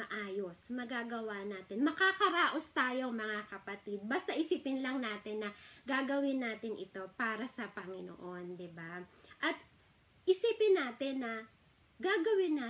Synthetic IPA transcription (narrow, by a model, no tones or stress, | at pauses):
mɐʔaːjo̞smɐɡaːɡɐwaʔnaːt̪ɪnmɐkakɐɾaːʔo̞st̪aːjo̞ŋmɐŋakɐpɐt̪id̪̚bɐst̪ɐʔɪsiːpɪnlɐŋnaːt̪ɪnːɐɡaːɡɐwɪnːaːt̪ɪnʔɪt̪o̞paːɾɐsɐpɐŋɪno̰ʔo̞nd̪ɪbaʔɐt̪̚ | ʔɪsiːpɪnːaːt̪ɪnːɐ | ɡaːɡɐwɪnːa